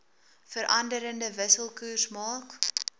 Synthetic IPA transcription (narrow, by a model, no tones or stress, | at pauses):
fəɾʔɐndəɾəndəvəsəlˠkuːrsmɑːk